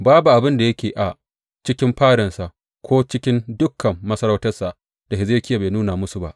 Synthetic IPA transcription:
baː˦bu˨ʔa˨bɪ˦nda˨jɐ˦kʲeː˨ʔa˨ | t͡ʃɪ˦kʲɪ˦mɸaː˦ɽɐ˨nsa˨ʔ | kʷʰoː˦t͡ʃɪ˦kʲɪ˦ndʊ˦kʰːɐ˨mːɐ˦sɐ˦ɾa˦wtɐ˦rsa˨ʔ | d̥a˨ɪ˨zeː˦kʲɪ˦ja˨be˨nuː˦na˨mʊ˦su˨ba˦ʔ

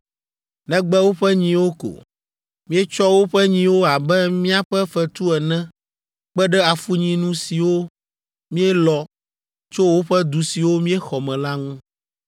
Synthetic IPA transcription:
nɛ̃˦ɡ͡bɛ˦wo˦ɸɛ˦ɲĩ˦wo˦ko̰˨ | mĩ˦ɛ˦t͡ʃɔ˦wo˦ɸɛ˦ɲĩ˦wo˦a˨bɛ˦mĩ˦a˦ɸɛ˦fɛ˦t̪u˦ɛ˨nɛ̃˦ | k͡pɛ˦ɖɛ˦a˨fu˦ɲĩ˦nũ˦si˨wo˦ | mĩ˦ɛ˦lɔ˨ | t͡ʃo˦wo˦ɸɛ˦d̪u˨si˨wo˦mĩ˦ɛ˦xɔ˨mɛ̃˨la˦ŋũ˦

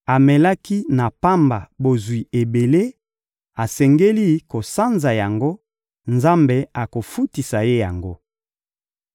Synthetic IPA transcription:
a˨mɛ˨la˦ki˦na˨pa˦mba˨bo˨zwi˨e˨be˨le˦ | a˨sɛ˨ŋɡe˦li˦ko˨sa˦nza˨ja˨ŋɡo˦ | nza˦mbe˨a˨ko˨fu˦ti˨sa˨je˦ja˨ŋɡo˦

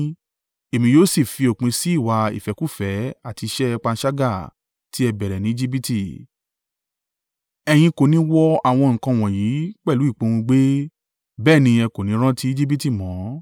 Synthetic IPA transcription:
e˨mĩ˧joː˦˨si˦˨fi˧o˨k͡pĩ˧si˦i˦˨wa˧ḭ˨fɛ˨˦ku˦˨fɛ˨˦a˦˨ti˧ʃɛ˦˧k͡pa˧˦ʃa˦ɡa˦˨ | ti˦ɛ˧bɛ˨ɾɛ˨nĩ˨˦i˦d͡ʒi˦bi˦ti˦˨ | ɛ˧j̃ĩ˧ko˨nĩ˨˦wɔ˦a˦˨w̃ɔ̃˧ŋ̩˨kã˧˨w̃ɔ̃˨ji˨˦k͡pɛ˦˨lu˨˦i˦˨k͡põ˧ũ˧ɡ͡be˦ | bɛː˦˨nĩ˧ɛ˧ko˨nĩ˨˦ɾ̃ã˦ti˦i˦d͡ʒi˦bi˦ti˦˨mɔ̃˨˦

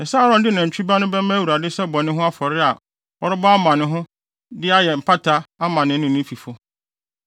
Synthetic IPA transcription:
ɛ˨sa˦ɾɔ̃˦ndɪ˦nã˨ɲ̩˨t͡ɕᶣi˦ba˦nʊ̃˦bɛ˦mã˦wu˨ɾa˨dɪ˦sɛ˦bɔ̃˨nɪ̃˦ɦʊ̃˦a˦fɔ˨ɾɪ˦a˨ | ɔ˦ɾʊ˦bɔ˦a˦mã˨nɪ̃˦ɦʊ̃˦ | dɪ˦a˦jɛ˨m̩˨pʰa˦tʰa˦a˦mã˨nɪ̃˦nʊ̃˦˨nʊ̃˦fi˨fʊ˦

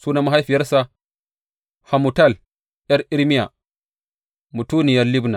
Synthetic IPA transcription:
suː˦na˦ma˦ɦa˦jɸi˨jɐ˦ɾsa˦ | ha˨mu˨ta˦˨l | jɐ˦ɾʔi˦ɾmi˦ja̰˨ | mu˨tu˦ni˨jɐ˦li˦bna˨

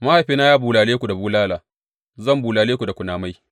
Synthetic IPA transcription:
ma˦ha˨jɸiː˦na˦jaː˦buː˨laː˨leː˦kʷu˨da˨buː˦laː˦laː˨ | zɐ˦˨mbuː˨laː˨leː˦ku˨da˨kʷʊ˨naː˨ma˦j

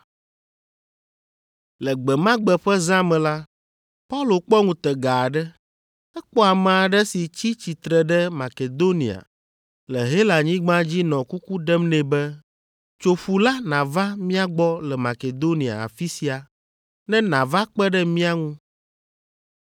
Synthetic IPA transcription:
lɛ˨ɡ͡bɛ˨mã˦ɡ͡bɛ˦ɸɛ˦zã˦mɛ̃˨la˦ | pa˦u˦lo˨k͡pɔ˦ŋũ˨t̪ɛ˨ɡa˨ɖɛ˦ | ɛ˦k͡pɔ˦a˨mã˨a˨ɖɛ˦si˨t͡ɕi˦t͡ɕi˨t̪ɾɛ˨ɖɛ˦ma˨ke˨d̪o˦nĩ˨a̰˨ | lɛ˨ɦe˦la˨ɲĩ˦ɡ͡bã˦d͡ʑi˦nɔ̃˨ku˦ku˦ɖɛ˦mnɛ̃˨bɛ˦ | t͡ʃo˨ɸu˨la˦nã˨va˦mĩ˦a˦ɡ͡bɔ˦lɛ˨ma˨ke˨d̪o˦nĩ˨a̰˨a̰˨fi˦si˨a˨ | nɛ̃˦nã˨va˦k͡pɛ˦ɖɛ˦mĩ˦a˦ŋũ˦

